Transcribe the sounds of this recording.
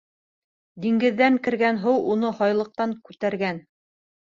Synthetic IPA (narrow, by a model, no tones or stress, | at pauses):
d̪iŋɡɘ̆ðːæŋkɘ̆ɾɡænɦɤwunɤhɑjlˠɤ̆q̚t̪ɑŋkʉt̪æɾɡæn